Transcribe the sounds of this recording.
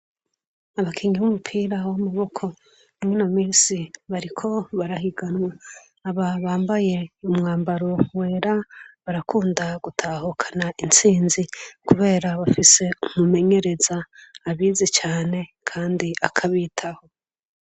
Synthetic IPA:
aβakʰiɲiβumupʰiːɾawomuβo̞kʰo̞ | nimwenomiːnsiβaɾikʰo̞βaɾaɦiɡanwaː | βaβaːmbaje̞umŋaːmbaɾo̞we̞ːɾaβaɾakʰuːndaɡ̥utʰahokʰḁnaʔint͡siːnzikuβe̞ːɾaβafise̞umume̞ɲe̞ɾe̞zaːβiːzit͡ʃaːne̞kʰaːndia̰kʰaβitʰaho̞

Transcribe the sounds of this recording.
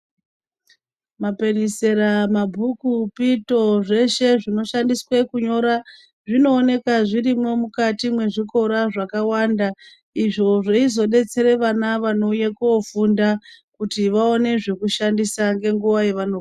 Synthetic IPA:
mape̞nise̞ɾamabʱukupito̞ʐe̞ʃe̞ʐino̞ʃandiswe̞kuɲo̞ɾa | ʐino̞ːne̞kaʐiɾimo̞mukatimwe̞ʐiko̞ɾaʐakawanda | iʐo̞ʐeizo̞ɗe̞t͡se̞ɾe̞ʋanaʋano̞ujekofundakutiʋaone̞ʐe̞kuʃandisaŋɡe̞ŋɡuʋajeʋano

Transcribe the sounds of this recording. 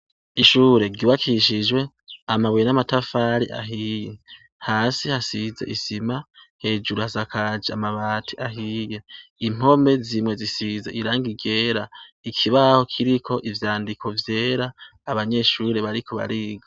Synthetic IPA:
iʃuːɾe̞ɡiβakʰiʃ̬id͡ʒwe̞ | amaβwjenamatafaɾiʔa̰ɦiːje | haːsihasize̞̰ʔisimahe̞ːd͡ʒuɾuhazakʰad͡ʒeamaβaːtʰiʔaɦijeim̥o̞me̞zimŋe̞zisizeiɾaːŋɡiɡe̞ːɾaikʰiβaho̞kʰiɾikʰo̞ʔivjaːndikʰo̞vje̞ːɾaːβaɲe̞ʃuːɾe̞βaɾikʰo̞βa̰ɾiːɡa

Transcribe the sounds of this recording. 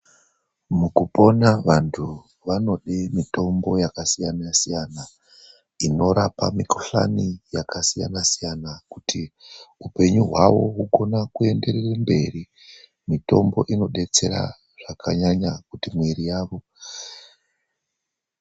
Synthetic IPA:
mukupo̞naʋantʰu | ʋano̞ɗemito̞mbo̞jakasijanasijana | ino̞ɾapamikʰoɬa̰nijakʰasija̰nasijanakutʰiupe̞ɲuɦwaʋo̞ɦuɡʱo̞nakue̞nde̞rerembe̞ri | mito̞mbo̞̰ʔino̞ɗe̞t͡se̞ɾa̰ | ʐ̥akʰa̰ɲaɲakutimwerijaːʋo̞

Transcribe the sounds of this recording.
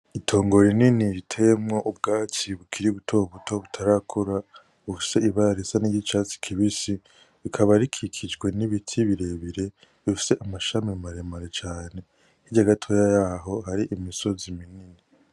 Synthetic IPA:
itʰo̞ːŋɡo̞ɾininiɾitʰe̞mŋoʔub̚ɡaːt͡siβukʰiɾiβutʰo̞βutʰo̞βutʰaɾakʰuɾa | βufi̥se̞iβaɾesaniɟit͡ʃat͡si̥kʰiβisi | βikʰaβaɾikʰikʰid͡ʒɡwe̞niβitʰiβiɾe̞βiɾe̞ | ifi̥se̞ʔamaʃamimaɾemaɾet͡ʃaːne̞ | hiɟaɡatʰojajaɦo̞ɦaɾiʔimiso̞ziminini

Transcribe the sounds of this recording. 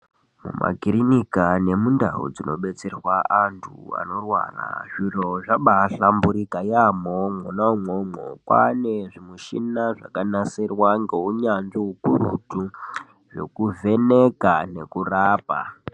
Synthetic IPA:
mṵmʔa̰ɡʱiɾinikane̞mundaṵd͡zino̞̰ɓe̞t͡se̞rwaantʰua̰no̞rwa̰ra̰ʐiroʐaɓaɬambuɾikajamomonamomo̰kwa̰ne̞ʐimuʃḭnaʐa̰kanasirwaŋɡe̞uɲanʐiukuɾṵtu | ʐe̞̰kuvʱe̞ne̞kane̞kuraːpa̰

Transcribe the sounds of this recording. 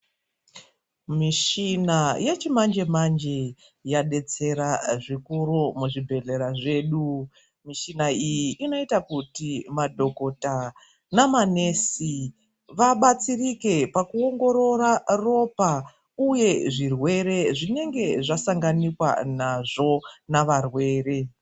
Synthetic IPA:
miʃinajet͡ʃimand͡ʒe̞mand͡ʒe | jaɗe̞t͡se̞ɾaʐikuɾumuʐibʱe̞ɮe̞ɾaʐe̞ːɗu | miʃinaijiʔːno̞itakutimadʱo̞ko̞ta | namane̞ːsi | ʋaɓat͡sirike̞pakuo̞ŋɡo̞ɾo̞raro̞pa | uje̞ʐirwe̞ɾe̞ʐine̞ŋɡe̞ʐasaŋɡanikwa̰naʐo̞naʋarwe̞ːre̞

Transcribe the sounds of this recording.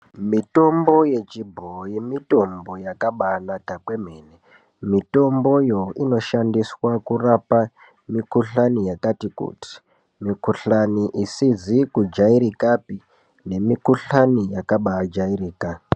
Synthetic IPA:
mito̞mbo̞je̞t͡ʃibʱoimito̞mbo̞jakaɓanakakwe̞m̤eːne | mito̞mbo̞jo̞ino̞ʃandiswakurapa | mikuɬanijakatikṵti̥ | mikuɬaniʔisizikud͡ʒaiɾikapi | ne̞mikuɬanijakaɓad͡ʒairiːka

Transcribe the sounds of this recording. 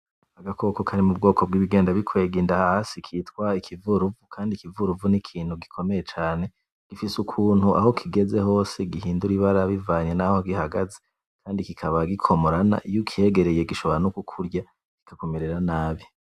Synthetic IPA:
aɡakʰo̞kokʰaɾimubɡo̞ːkʰob̚ɡiːβiɡe̞ːndaβikʰwe̞ːɡindahaasikʰitwaikʰivuɾuvukʰaːndikivuɾuvunikʰiːnhuɡikʰo̞me̞jet͡ʃaːne̞ | ɡ̥ifisukʰuːn̥hua̰ho̞kʰiɡe̞ze̞ho̞ːseɡihiːnduɾiβaɾaβivaːɲenahoɡihaɡaze | kʰaːndikikʰaβaɡikʰo̞moɾana̰ʔijukʰie̞ɡe̞ɾe̞jeɡiʃo̞βo̞ɾanukukʰuɾɟa | ki̥kʰako̞meɾeɾanaːβi

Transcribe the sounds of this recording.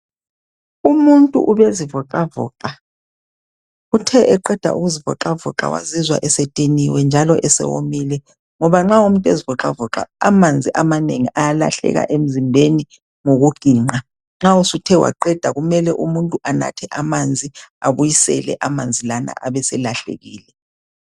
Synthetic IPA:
umuntʼṵʔuβezivɔǃavɔ̰ːǃa | utʰɛʔɛǃɛd̥ʱa̰ʔṵɣuzivɔ̰ǃavɔ̰ǁa̰wa̰zizwa̰ʔɛsetʼiniwɛnd͡ʒʱalɔʔɛsɛ̰wo̰milɛ | ŋɔβaŋ͡ǁaumuntʼezivɔǁavɔǁa̰a̰mand͡zʱiʔamaneŋiʔajala̰ɬɛ̰ɣa̰ʔem̩zimbʱeni | ŋoɣuɡ̥ʱiːŋ͡ǃa | ŋ͡ǁausutʰɛwa̰ǃɛd̥ʱaɣumɛlɛʔumuntʼuʔana̰tʰɛʔamand͡zʱiaβujisɛ̰lɛ̰ʔamand͡zʱilana̰ʔaβɛsɛlaɬḛɣiːlɛ

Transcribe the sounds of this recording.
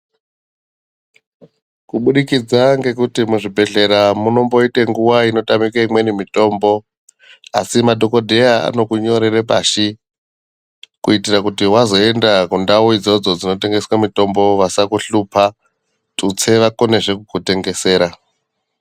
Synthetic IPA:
kuɓuɗikid͡zaŋɡe̞kutimuʐibʱe̞ɮe̞ɾamuno̞mbo̞ite̞ŋɡuwaino̞tamikaimwe̞nimito̞ːmbo̞ | a̰simadʱo̞ko̞dʱe̞aa̰no̞kuɲo̞ɾerepaʃi | kuitirakutiwazo̞e̞ndakundawuid͡zo̞d͡zod͡zino̞te̞ŋɡe̞swamito̞mbo̞ʋasakuɬupʰa | tut͡se̞ʋako̞ne̞ʐe̞kukute̞ŋɡe̞se̞ːɾa

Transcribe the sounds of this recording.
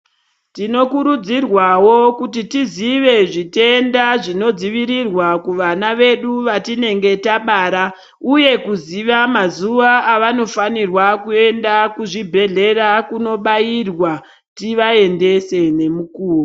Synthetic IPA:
tino̞kuɾud͡zirwawo̞kutitiziʋe̞ʐitendaʐino̞d͡ziʋiɾirwakuʋanaʋe̞ɗuʋatine̞ŋɡe̞taɓaːɾa | uje̞kuziʋamazuʋaːʋano̞fanirwakue̞ndakuʐibʱe̞ɮe̞ɾakuno̞ɓairwa | tiʋae̞nde̞se̞ne̞mukuːro

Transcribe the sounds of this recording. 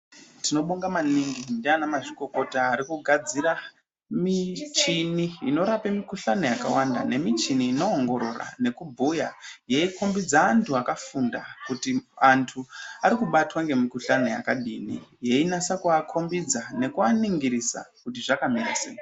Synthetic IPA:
tino̞ɓuŋɡamaniŋɡindianamaʐiko̞ko̞taːɾikuɡʱad͡ziɾa | mit͡ʃiniino̞ɾapemikuɬano̞jakawanda̰ne̞mit͡ʃiniːno̞ːŋɡo̞ɾo̞ra̰ne̞kubʱujaje̞iko̞mbid͡zaːntʰuakafundakutiantʰuaɾikuɓatwaŋɡe̞mikuɬano̞ja̰kaɗinḭje̞inasakuakʰo̞mbid͡zane̞kuaniŋɡiɾisa̰kutiʐakamirasḛːjo

